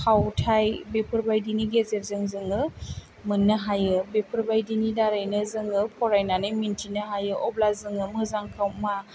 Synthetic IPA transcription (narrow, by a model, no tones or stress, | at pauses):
kʰawtʰajbepʰɯɾbajdiniɡezeɾ̚zɯŋzɯŋɯ | mɯnːɯɦajɯbepʰɯɾbajdinidaɾajnɯzɯŋɯpʰɔɾajnanɯmintʰinɯɦajɯʔɔblazɯŋɯmɯzaŋkʰawma